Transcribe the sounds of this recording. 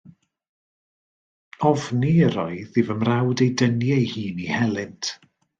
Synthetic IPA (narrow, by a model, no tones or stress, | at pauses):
ɔvniəɾɔɨðɨvəmrawdejdənjɛjhiːnihɛlˠɪntʰ